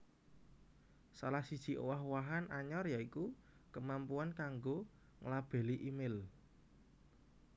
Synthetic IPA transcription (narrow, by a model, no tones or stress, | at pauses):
salahsid̥ʒ̥i̤ʔowaɦwaɦanaɲɔrjaiku | kəmampuankaŋɡo | ŋəlab̥e̤liʔimɪl